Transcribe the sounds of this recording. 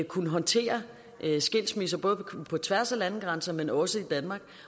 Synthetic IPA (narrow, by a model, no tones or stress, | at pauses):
kʰunəɦɒ̽nt͡sʰe̝̰ːɐ | ʔsɡ̥e̝l̰smis̬ɐb̥ɔ̽ːð̞ˠpʰɒ̽t͡sʰʋæɐ̰sælæn̩ɡ̥ʁɑ̈nsɐmenɒ̽səid̥ænmɑ̈ɡ̥̚